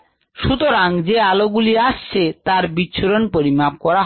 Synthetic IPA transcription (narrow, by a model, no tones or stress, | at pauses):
ʃut̪oɾaŋd͡ʑealoɡuliaʃt͡ɕʰet̪aɾbitːɕʰoɾonpoɾimap̚kɔɾaɦ